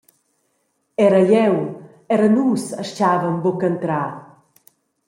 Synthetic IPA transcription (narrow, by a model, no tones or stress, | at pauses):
ɛɾəʎɛw | ɛɾənusəʃt͡ʃavəmbɔkənt̪ɾa